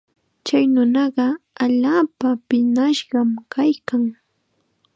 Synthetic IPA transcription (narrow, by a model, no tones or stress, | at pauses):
t͡ʃajnʊnɑɢɑaʎaːpapɪnaʃɢɑmkʰajkaŋ